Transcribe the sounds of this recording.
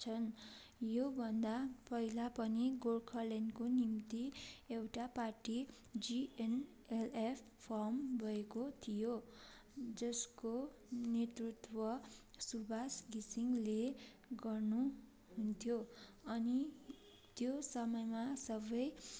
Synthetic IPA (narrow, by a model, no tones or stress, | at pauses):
t͡sʰʌn | jobʱʌnd̪apʌɦilapʌniɡolkʰʌlenkonimt̪iewʈaparʈi | d͡zien | elepʰ | pʰʌrmbʱʌekot̪ʰijo | d͡zʌskonet̪rut̪wʌsubʱasɡisiŋle | ɡʌrnu | ɦunt̪ʰjoʌni | t̪josʌmʌjmasʌbʌj